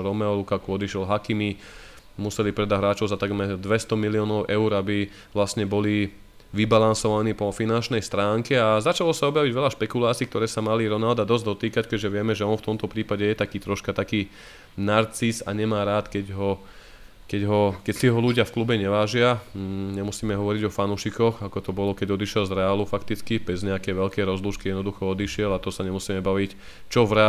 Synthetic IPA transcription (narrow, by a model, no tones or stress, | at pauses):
ɾɔmɛɔlukakuɔd̪iʃɛlɦakimi | musɛlipɾɛd̪aɦɾaːt͡ʃɔʊzat̪aɡmɛɾd̪ʋɛst̪ɔmiliɔːnɔʊʔɛʊɾabi | ʋlasɲɛbɔli | ʋibalansɔʋaniːpɔfinant͡ʃnɛjst̪ɾaːŋkɛazat͡ʃalɔsaɔbjaʋiɟʋɛʎaʃpɛkulaːt͡siːkt̪ɔɾɛːsamaliɾɔnald̪ad̪ɔzɟd̪ɔt̪iːkackɛʒɛʋɪɛmɛʒɛɔnft̪ɔmt̪ɔpɾiːpaɟɛjɛt̪akiːt̪ɾɔʃkat̪akiː | naɾt͡sisa̰ɲɛmaːɾaːt̪kɛɟɦɔ | kɛɟɦɔkɛcsiɦɔluɟɪafklubɛɲɛʋaːʒɪaɲɛmusiːmɛɦɔʋɔɾiɟɔfanuʃikɔxakɔt̪ɔbɔlɔkɛɟɔd̪iʃɪɛlzɾɛalufakt̪it͡skibɛzɲɛakɛjʋɛʎkɛjɾɔzluːʃkijɛd̪nɔd̪uxɔɔd̪iʃɪɛlat̪ɔsaɲɛmusiːmɛbaʋic | t͡ʃɔvɾɛ